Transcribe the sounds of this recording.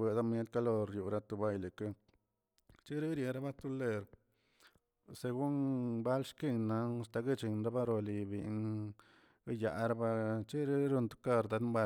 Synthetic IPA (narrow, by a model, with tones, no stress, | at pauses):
e˨d̪a˦mje˦t̪ka˧lo˧ɾju˨ɾa˧t̪u˧ba˧jle˨ka˦ | t͡ʃi˦ɾi˦ɾje˧ɾa˦ba˦t̪u˦le˧ɾ | se˧ɡu˦nba˦lʃki˦˧nːa˧a˧˨st̪a˧ɡe˦t͡ʃi˧nɾa˦ba˦ɾo˧li˧bḭ˧˨˧n | ɡa˦ja̰˨ɾa˦ba˧t͡ʃi˦ɾi˦ɾu˧nt̪u̥˧ka˧ɾd̪a˧˦mba˧